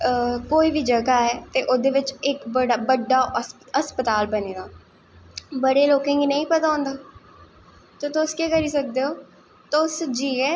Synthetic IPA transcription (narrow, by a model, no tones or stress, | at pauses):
koːiːbʱiːd͡ʒəɡaːɦɛːt̪eʔʊd̪eːʋɪt͡ʃɪkbəɽaːbəɖːaːəspət̪aːlbəneːɡ̪aː | bəɽeːloːkẽːɡiːnəĩːpət̪aːõːnd̪aː | t̪oːt̪oskekəɾiːsək̚d̪eːɦoː | t̪oʊsd͡ʒiːɦɛː